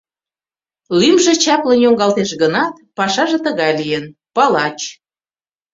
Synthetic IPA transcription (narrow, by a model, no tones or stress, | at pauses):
lymʒĕt͡ɕɑplənjoŋɡɑlt̪eʃɡənɑt̪̚pɑʃɑʒĕt̪əɣɑjlijenpɑlɑt͡ɕ